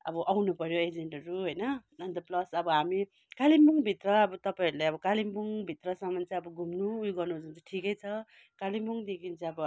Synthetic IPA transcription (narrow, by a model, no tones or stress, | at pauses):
ʌ̰bʌʔawnupʌɾjoed͡zeɳʈʌɾuɦojnʌnʌnd̪ʌplʌsʌbʌɦami | kalimbuŋbʱit̪ɾʌːbʌt̪ʌpaiɾlajʌbʌkalimbuŋbʱit̪ɾʌsʌmant͡saʌbʌɡʱumnuːjɡʌɾnud͡zunt͡sʰiʈʰikʌjt͡sʰʌ | kalimbuŋd̪ekint͡sʰiʌbʌ